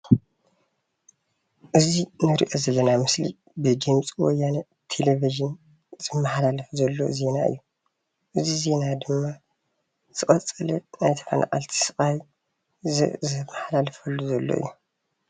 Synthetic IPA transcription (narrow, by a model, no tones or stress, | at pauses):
ʔɨzinɨɾḭʔo̞zɐlːɐnamɨslḭ | bɨd͡ʒɨmt͡sʼiwɔjːanɐ | t̪ʰeleviʒɨn | z̥ɨmːɐħalalɐfzɐlːo̰ze̞naɨ̰jːu | ʔɨzize̞nad̪ɨmːa | z̥ɨχʼɐt͡sʼːɨlɛnajt̪ʰɐ̥fa̰nʔa̰ʔʼa̰lt̪ʰi̥sɨkʼaj | zɨmːɐħalalɐfɐlːuzɐlːo̰ʔɨ̰jːu